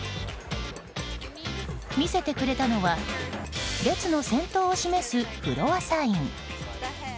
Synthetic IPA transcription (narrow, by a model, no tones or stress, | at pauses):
mʲise̞t̪e̞kɯ̟ɾe̞t̪ano̞βa | ɾe̞t͡sɨno̞sẽ̞nt̪o̞ːɕime̞sɨpɯ̟ɾo̞βasaĩŋ